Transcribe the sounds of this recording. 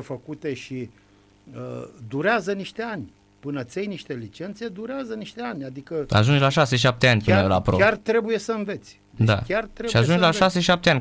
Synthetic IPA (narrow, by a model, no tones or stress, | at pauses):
efəkut̪e̞ʃi | əd̪uɾeazəniʃt̪eanʲ | pɨnət̪sʲejniʃt̪e̞lit͡ʃe̞nt̪se̞d̪uɾeazəniʃt̪eanʲad̪ikəa̰ʒund͡ʒlaʃaseʃ̬ap̚t̪eanʲpɨnəla̰pɾoart̪ɾe̞buje̞səɨnve̞t̪sʲ | ded̪a̰kʲart̪ɾeʃiaʒund͡ʒlaʃaseʃiʃap̚t̪eanʲ